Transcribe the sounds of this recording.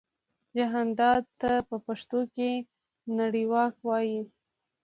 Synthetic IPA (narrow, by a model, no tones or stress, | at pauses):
d͡ʒaɦand̪ɑd̪t̪ːapəpaʂt̪oke | naɽiwɑkwɑji